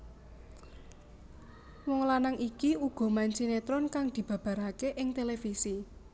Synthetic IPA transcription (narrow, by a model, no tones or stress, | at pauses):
wɔŋlanaŋʔikiuɡ̥ɔ̤maɲt͡ʃinet̪ɾɔnkaŋd̪̥i̤b̥ä̤b̥ä̤ɾakeʔɪŋt̪elefisi